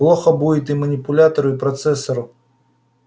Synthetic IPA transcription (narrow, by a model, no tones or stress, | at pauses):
lˠɔxɐbuɪt̪imɐnʲipʊlʲat̪ɐɾʊipɾɐt̪sɛsɐɾʊ